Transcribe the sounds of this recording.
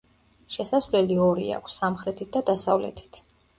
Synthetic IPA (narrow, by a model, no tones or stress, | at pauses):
ʃɛsasvlɛliɔɾḭa̰kʷʰsːamχɾɛt̪ʰit̪̚d̪ad̪asavlɛ̰t̪ʰi̥t̪ʰ